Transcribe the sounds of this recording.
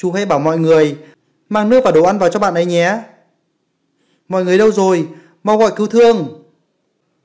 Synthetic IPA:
t͡ɕu˨˦ha˧jɓaː˧˩wmɔ̰˧˨jŋɨ˨˩əj | maː˧ŋnɨ˦˥əva˨˩ɗo˨˩ʔa˧nvaː˨˩wt͡ɕɔ˧ɓa̰ː˧˨nʔə˨˦jɲɛ˨˧˦ | mɔ̰˧˨jŋɨ˨˩əjɗə˧wzo˨˩j | ma˧wɣɔ̰˧˨jki˧wt̪ʰɨ˧əŋ

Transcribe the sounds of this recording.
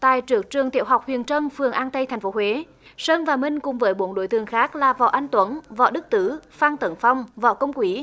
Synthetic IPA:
t̪a̰ː˧˨jt͡ɕɨ˨˩ək̚t͡ɕɨ˨˩əŋt̪ḭ˧˨əwɦa˨˩wk͡p̚hwḭ˨˩ənt͡ɕə˧nfɨ˨˩əŋʔaː˧nt̪ə˧jt̪ʰa˨˩jŋ̟fo˨˦hwe˨˦ | səː˧nvaː˨˩mï˧ŋ̟kʊ˨˩ŋ͡mvəː˨˦jɓo˨˦nɗo̰˧˨˦jt̪ɨ˨˩əŋxaː˦˥k̚laː˨˩vɔ̰˧˨ʔa˧jŋ̟t̪wə˨˦nvɔ̰˧˨ɗɨ˦˥k̚t̪ɨ˧˩faː˧nt̪ə˨˦nfa˧wŋ͡mvɔ̰˧˨kə˧wŋ͡mkwi˨˦

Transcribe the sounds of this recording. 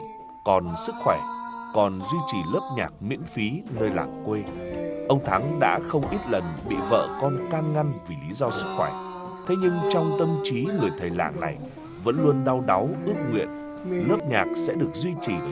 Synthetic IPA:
kɔ˨˩nsɨ˦˥k̚xwɛ˧˩kɔ˨˩nzwi˧t͡ɕi˨˩lɨ˦˥p̚ɲa̰ː˨˩k̚mḭ˧˥ənfi˨˦nəː˧jla̰ː˧˨˩ŋkwe˧ʔə˧wŋ͡mt̪ʰa˨˦ŋɗa̰ː˧˥xə˧wŋ͡mʔi˦˥t̚lə˨˩nɓḭ˧˨və̰ː˧˨kɔ˧nkaː˧nŋa˧jŋvi˨˩li˨˦zɔ˧sɨ˦˥k̚xwɛ˧˩ | t̪ʰe˨˦ɲɨ˧ŋt͡ɕɔ˧wŋ͡mt̪ə˧mt͡ɕi˨˦ŋɨ˨˩əjt̪ʰəː˨˩jla̰ː˧˩ŋna˨˩j | və̰˧˥nlu˧ənɗa˧wɗa˨˦wʔɨ˦˥ək̚ŋwḭ˧˨ən | lɨ˦˥əp̚ɲaː˨˩k̚sɛ̰˧˥ɗɨ˨˩ək̚zwi˧t͡ɕi˨˩

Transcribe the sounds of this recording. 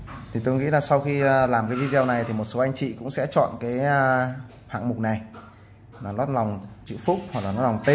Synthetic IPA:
t̪ʰi˨˩t̪o˧jŋḭ˧˥laː˨˩sa˧wxi˧laː˨˩mkaː˨˦vi˧˥zɛ˧wna˨˩jt̪ʰi˨˩mo˨˩t̚so˨˦ʔa˧jŋ̟t͡ɕḭ˧˨kʊ̰˧˥ŋ͡msɛ̰˧˥t͡ɕɔ̰˧˨nkaː˨˦j | ha̰ː˧˨ŋmʊ˨˩k͡p̚na˨˩j | lːnɔ˦˥t̚la˨˩wŋ͡mt͡ɕɨ̰˧˥fʊ˦˥k͡p̚hwk̚laː˨nɔ˦˥la˨˩ŋ͡mt̪e˧

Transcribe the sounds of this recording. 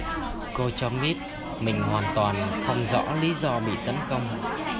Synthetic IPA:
ko˧t͡ɕɔ˧ɓi˦˥t̚ | mï˨˩ŋ̟hwaː˨˩nt̪waː˨˩nxʰə˧wŋ͡mzɔ̰˧˥li˨˦zɔ˧ɓḭ˧˨t̪ə˨˦nkə˧wŋ͡m

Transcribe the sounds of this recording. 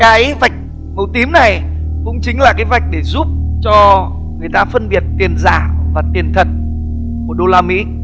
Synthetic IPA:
kaː˨˦jva˨˩jk̟̚ | mə˨˩wt̪i˨˦mna˨˩jkʊ̰˧˥ŋ͡mt͡ɕï˨˦ŋ̟laː˨˩kaː˨˦jva˨˩jk̟̚ɗe˧˩zu˦˥p̚t͡ɕɔ˧ | ŋɨ˨˩əjt̪aː˧fə˧nɓi˨˩ət̚t̪i˨˩ənza̰ː˧˩vaː˨˩t̪i˨˩ənt̪ʰə˨˩n̚ | ku˧˩əɗo˧laː˧mḭ˧˥

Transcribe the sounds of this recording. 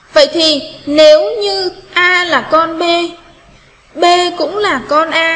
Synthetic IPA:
və̰˧˨jt̪ʰi˨˩ne˨˦wɲɨ˧ʔaː˧laː˨˩kɔ˧nɓe˧ | ɓe˧kʊ̰˧˥ŋ͡mlaː˨˩kɔ˧nʔaː˧

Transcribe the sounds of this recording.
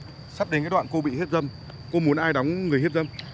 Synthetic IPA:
sa˦˥p̚ɗe˨˦nkaː˨˦jɗwa̰ː˧˨nko˧ɓḭ˧˨he˦˥t̚zə˧m | ko˧mu˨˦ənʔaː˧jɗa˨˦wŋ͡mŋɨ˨˩əjɦe˦˥t̚zə˧m

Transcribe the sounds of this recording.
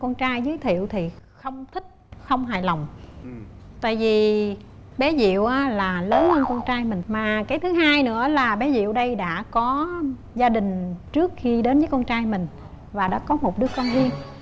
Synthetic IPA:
kɔ˧nt͡ɕaː˧jzɨ˨˦jt̪ʰḭ˧˨əwt̪ʰi˨˩xə˧wŋ͡mt̪ʰï˦˥k̟̚xə˧wŋ͡mɦa̰ː˧˨jla˨˩wŋ͡m | t̪a̰ː˧˨jvi˨˩ | ɓɛ˨˦zḭ˧˨əwʔaː˨˦laː˨˩ləː˨˦nhə˧nkɔ˧nt͡ɕaː˧jmï˨˩ŋ̟maː˨˩kaː˨˦jt̪ʰɨ˨˦ɦaː˧jnɨ̰˧˥əlaː˨˩ɓɛ˨˦zḭ˧˨əwɗə˧jɗa̰ː˧˥kɔ˨˦ | zaː˧ɗï˨˩ŋ̟t͡ɕɨ˦˥ək̚xi˧ɗe˨˦nvəː˨˦jkɔ˧nt͡ɕaː˧jmï˨˩ŋ̟ | vaː˨˩ɗa̰ː˧˥kɔ˨˦mo˨˩t̚ɗɨ˦˥kːɔ˧nzi˧ən

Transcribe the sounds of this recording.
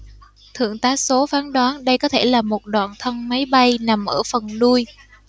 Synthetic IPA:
t̪ʰɨ̰˧˨əŋt̪aː˨˦so˨˦faː˨˦nɗwaː˨˦nɗə˧jkɔ˨˦t̪ʰe˧˩laː˨˩mo˨˩t̚ɗwa̰ː˧˨nt̪ʰə˧nma˨˦jɓa˧jna˨˩mʔəː˧˩fə˨˩nɗu˧j

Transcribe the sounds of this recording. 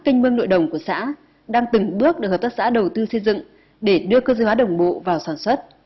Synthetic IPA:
ki˧ŋ̟mɨ˧əŋno̰˧˨jɗə˨˩wŋ͡mku˧˩əsa̰ː˧˥ | ɗaː˧ŋt̪ɨ˨˩ŋɓɨ˦˥ək̚ɗɨ˨˩k̚hə˨˩p̚t̪a˦˥sa̰ː˧˥ɗə˨˩wt̪ɨ˧sə˧jzɨ̰˧˨ŋ | ɗe˧˩ɗɨ˧əkəː˧zəː˧˦jhwaː˨˦ɗə˨˩wŋ͡mɓo̰˧˨vaː˨˩wsaː˧˩nswə˦˥t̚

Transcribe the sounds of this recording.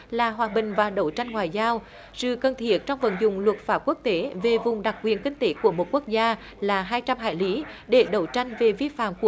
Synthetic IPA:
laː˨˩ɦwaː˨˩ɓï˨˩ŋ̟vaː˨˩ɗə˧˦˩wt͡ɕa˧jŋ̟ŋwaː˨˩jzaː˧w | sɨ̰˧˨kə˨˩nt̪ʰi˦˥ət̚t͡ɕɔ˧wŋ͡mvə̰˧˩nzʊ̰˨˩ŋ͡mlwə˨˩t̚faː˦˥p̚ku˦˥ək̚t̪e˨˦ve˨˩vʊ˨˩ŋ͡mɗa˨˩k̚kwi˨˩ənkï˧ŋ̟t̪e˨˦ku˧˩əmo˨˩t̚ku˦˥k̚zaː˧ | laː˨˩ɦaː˧jt͡ɕa˧mɦa̰ː˧˨jli˨˦ɗe˧˩ɗə˧˩wt͡ɕa˧jŋ̟ve˨˩vi˧fa̰ː˧˨mku˧˩

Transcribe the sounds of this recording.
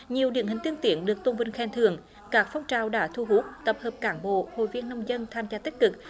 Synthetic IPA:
ɲi˨˩əwɗḭ˧˥ənɦï˨˩ŋ̟t̪i˧əŋt̪i˧˩ənɗɨ˨˩ək̚t̪o˧ŋ͡mvə˧nxɛ˧˩nt̪ʰɨ̰˧˩əŋ | kaː˦˥k̚fɔ˧wŋ͡mt͡ɕaː˨˩wɗaː˧˥t̪ʰu˧ɦu˦˥k̚t̪ə˨˩p̚həː˨˩p̚kaː˧˩nɓo̰˧˨ho̰˧˨jvi˧ənːə˧wŋ͡mzə˧nt̪ʰaː˧mzaː˧t̪i˦˥k̟̚kɨ˨˩k̚

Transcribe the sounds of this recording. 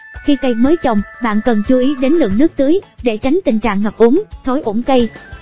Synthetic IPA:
xi˧kə˧jməː˨˦jt͡ɕə˨˩wŋ͡mɓa̰ː˧˨nkə˨˩nt͡ɕu˧ʔi˨˦ɗe˨˦nlɨ̰˧˨əŋnɨ˦˥k̚t̪ɨ˨˦əjɗe˧˩t͡ɕa˨˦ŋ̟t̪ï˨˩ŋ̟t͡ɕa̰ː˧˨ŋɦəː˨˩p̚ʔu˨˦əŋt̪ʰo˨˦jʔo˧˩ŋ͡mkə˧j

